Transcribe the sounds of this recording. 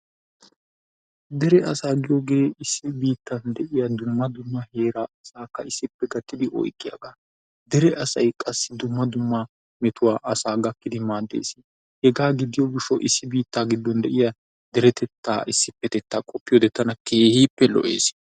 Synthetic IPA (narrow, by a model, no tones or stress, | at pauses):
d̪ɛɾɛʔɐsaːɡɪjoɡe̞ːɪsːɪbiːt̪ːɐnd̪ɛʔɪjɐd̪ʊmːɐd̪ʊmːɐhe̞ːɾaɐsaːkːɐɪsːɪpːɛɡɐt̪ːɪd̪ɪʔɔ̰jkʼːɪjɐ̰ɡaː | d̪ɛɾɛʔɐsɐjkʼɐsːɪd̪ʊmːɐd̪ʊmːɐ | mɛt̪ʊwaːʔɐsaːɡɐkːɪd̪ɪmaːd̪ːḛːsɪ | hɛɡaːɡɪd̪ɪjɔɡɪʃːɔʔɪsːɪbiːt̪ːaːɡɪd̪ːɔnd̪ɛʔɪja | d̪̥ɛɾɛt̪ʰɛt̪ːa̰ːʔɪsːɪpːɛt̪ɛt̪ːaːkʼɔpːɪjɔd̪ɛt̪ːɐnɐkeːhiːpːɛlɔ̰ʔḛːs